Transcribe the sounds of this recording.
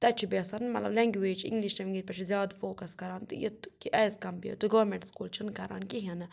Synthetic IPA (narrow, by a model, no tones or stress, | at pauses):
t̪ɐt͡ʃʰibeːsɐnmɐ̰t̪lɐblɐŋɡʋeːd͡ʒḭ̃ŋɡliʃtɐmiŋɡiɾpɐt͡ʃʰizjaːd̪foːkɐskɐɾaːnt̪jḭt̪kiʔɐːskɐmbjḛt̪uɡɐʋɐɾmeɳʈskuːlt͡ʃʰinkɐɾa̰ːnkiɦɐn